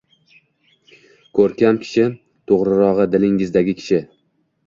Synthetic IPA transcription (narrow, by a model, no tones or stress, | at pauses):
kʰɵɾkʲamkʲʰɪ̥ʃɪ | t̪ʰoʁɾɪɾɒʁɨd̪ɪlɪŋɪzd̪aɡʲɪkʲʰɪ̥ʃɪ